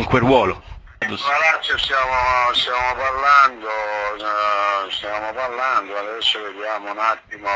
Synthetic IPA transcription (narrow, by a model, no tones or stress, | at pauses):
iŋkwerwɔːlo | d̪oalat͡ʃːost̪jaːmost̪jaːmopaɾland̪o | st̪jaːmopaɾland̪oad̪ɛsːoved̪jaːmounat̪ːimo